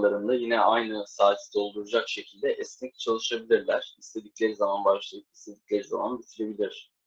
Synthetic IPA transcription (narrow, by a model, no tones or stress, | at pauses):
lˠaɾɯnd̪ajinɛʔajnɯsaːt̪ʰi̥d̪o̞lˠd̪uɾud͡ʒakʃe̞cʰilʲd̪ɛʔɛsnɛc̚t͡ʃʰalˠɯʃabilʲiɾlʲæɾ̥ist̪ʰe̞d̪iclʲe̞ɾizamanbaʃlˠajɯpi̥st̪ʰe̞d̪icʲlʲe̞ɾiza̰manbit̪ʰiɾe̞bilʲiɾ̝̥